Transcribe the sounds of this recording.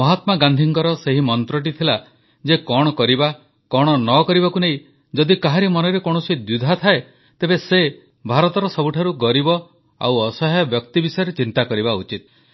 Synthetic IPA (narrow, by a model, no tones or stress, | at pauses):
mɔɦat̪maɡand̪ʱiŋkɔɾɔseɦimɔnt̪ɾɔʈ̬it̪ʰila | d͡ʒekɔɽ̃ɔkɔɾiba | kɔɽ̃ɔnɔkɔɾibakuneĩ | d͡ʒɔd̪ikaɦaɾimɔnɔɾekoɽ̃ɔsid̪ud̪ʱat̪ʰae | t̪ebese | bʱaɾɔt̪ɔɾɔsɔbuʈʰaɾuɡɔɾibɔ | a̰wɔsɔɦɔjɔbjɔkt̪ibisɔjɔɾet͡ʃint̪akɔɾibaut͡ʃit̪̚